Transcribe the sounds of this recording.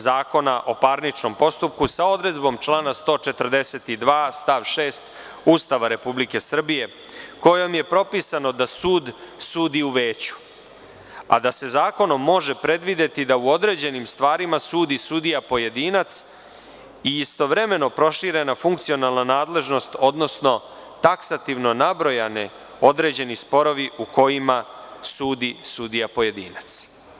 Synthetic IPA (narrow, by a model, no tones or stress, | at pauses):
zaːko̞naʔo̞paɾnit͡ʂno̞mpo̞st̪up̚kusao̞d̪ɾe̞d̪bo̞mt͡ʃlˠaːnast̪o̞ːt͡ʃe̞t̪ərd̪e̞set̪id̪ʋaːst̪aʋʃe̞ːst̪ | uːst̪aʋaɾe̞publike̞sr̩bije̞ | ko̞jo̞mje̞pɾo̞pisano̞d̪asuːd̪suːd̪iuʋeːt͡ɕu̥ | a̰d̪ase̞zaːko̞no̞mːo̞ʒe̞pɾe̞d̪ʋid̪e̞t̪id̪auod̪ɾe̞ːd͡ʑe̞nimst̪ʋaːɾimasuːd̪isuːd̪ijapo̞je̞d̪iːnat̪s | iist̪o̞ʋɾe̞me̞no̞pɾo̞ʃiɾe̞nafuŋk̚t̪sio̞nalˠnanaːd̪le̞ʒno̞st̪o̞d̪no̞sno̞ | t̪aksat̪iʋno̞nabɾo̞jane | o̞d̪ɾe̞ːd͡ʑe̞nispo̞ɾoʋiʔuko̞jimasuːd̪isud̪ijapo̞je̞d̪ḭːnat̪s